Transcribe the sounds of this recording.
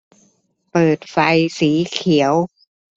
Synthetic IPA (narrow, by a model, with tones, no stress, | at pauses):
pɤː˨˩t̪̚fa˧jsiː˩˦kʰi˩˦ə˦w